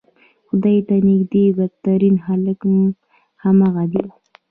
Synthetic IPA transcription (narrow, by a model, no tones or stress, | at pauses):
xʊd̪ajt̪anɪɡd̪ebaɡ̚t̪aɾinɦaləkm | hamaɣad̪e